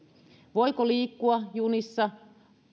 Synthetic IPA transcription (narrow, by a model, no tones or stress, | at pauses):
ʋo̞jkoliːkːuɑjunisːɑ